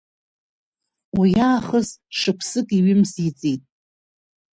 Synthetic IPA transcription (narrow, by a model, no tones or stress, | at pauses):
wijaːχəzʂɨkʷʰsɨkʼiɥɪmzit͡sʼitʼ